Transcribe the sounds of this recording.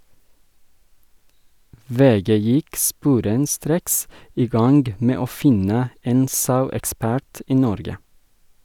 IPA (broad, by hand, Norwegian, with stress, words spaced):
ˈʋeːˌɡeː ˈjɪk ˈspuːɾənˌstɾeːks ˈiː ˈɡɑŋɡ ˈmeː ˈoː ˈfɪnə ˈeːn ˈsɑʉɛkˌspæɾt ˈiː ˈnɔɾɡə